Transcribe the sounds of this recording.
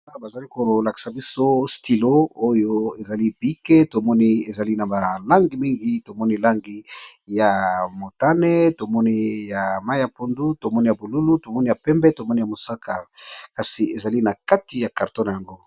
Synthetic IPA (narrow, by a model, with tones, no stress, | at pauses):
a˦a˨ba˨za˨li˦ko˨la˨ki̥˨sa˨bi˦so˦sti˨lo˦o˦jo˦e˨za˨li˦bi˦ke˦to˨mɔ˦ni˦e˨za˨li˦na˨ba˨la˦ŋɡi˨mi˦ŋɡi˦to˨mɔ˦ni˦la˦ŋɡi˨˦ | ja˨mo˨ta˦nɛ˦to˨mɔ˦ni˦ja˨ma˦i˦ja˨po˨ndu˦to˨mɔ˦ni˦ja˨bo˨lu˦lu˦to˨mɔ˦ni˦ja˨pɛ˦mbɛ˦to˨mɔ˦ni˦ja˨mo˨sa˦kʰa˨ka˨si˨e˨za˨li˦na˨ka˦ti˨ja˨ka˨ʁto˦na˨ja˨ŋɡo˦